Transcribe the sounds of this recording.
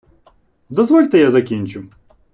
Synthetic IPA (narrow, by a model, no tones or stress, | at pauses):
d̪ɔzʋɔlʲt̪ɪjazɐkʲinʲt͡ʃʊ